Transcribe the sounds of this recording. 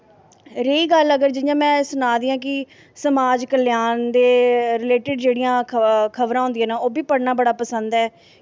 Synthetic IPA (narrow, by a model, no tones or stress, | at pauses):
ɾeːiːɡələɡəɾd͡ʒɪjãːmɛ̃ːsʊnaːd̪iːãːk̬ɪ | səmaːd͡ʒkəljaːnd̪eːɾɪleːʈɪɖd͡ʒeːɽijãːkʰəʋɾãːɦʊnd̪ijãːnaːoːbiːpəɽnãːbəɽaːpəsənd̪ɛː